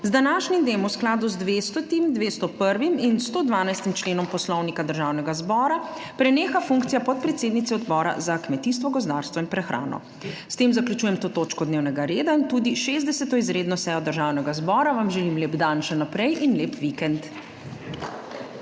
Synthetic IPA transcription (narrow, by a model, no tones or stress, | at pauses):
zd̪anaːʃnimd̪eːmuwsklaːd̪uzd̪ʋest̪ɔt̪imd̪ʋeːst̪ɔpəɾʋiminst̪oːd̪ʋaːnajst̪imt͡ʃleːnɔmpɔslɔwnikad̪əɾʒaːwnɛɡazbɔːɾa | pɾɛneːxafuŋkt̪sijapɔt̪̚pɾɛt̪seːd̪nit̪sɛɔd̪bɔːɾa̰zakmɛt̪iːst̪ʋɔɡɔzd̪aːɾst̪ʋɔinpɾɛxɾʔa̰ːnɔ̰ | st̪eːmzakljut͡ʃujɛmt̪oːt̪oːt͡ʃkɔd̪neːwnɛɡaɾeːd̪aint̪uːd̪iʃeːzd̪ɛsɛt̪ɔizɾeːd̪nɔsɛjɔd̪əɾʒaːwnɛɡazbɔːɾaʋamʒɛlimleːbd̪anʃɛnapɾɛjinleːpʋikɛnt̪